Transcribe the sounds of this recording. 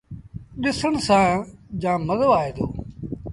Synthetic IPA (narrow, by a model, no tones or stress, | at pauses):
ɗɪsəɳsãːd͡ʒãːməzəʋaːeːd̪oː